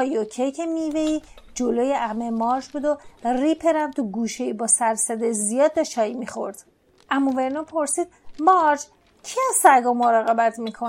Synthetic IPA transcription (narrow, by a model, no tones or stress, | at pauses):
ɒjocʰejcʰemiveiː | d͡ʒolojeʔæmemɒːɾd͡ʒbud̪oripʰeɾæmt̪ʰuɡuːʃeibɒːsæɾsæd̪ezijɒːd̪̚ːɛt͡ʃɒːimixo̞̰ɾd̪̥ | ʔæmːɔve̞ɾnopʰo̞ɾsiːd̪̥̚mɒɾd͡ʒ | cʰiæzsæɾɡɒmoɾɒːɣe̞bæt̪ʰmiːkʰon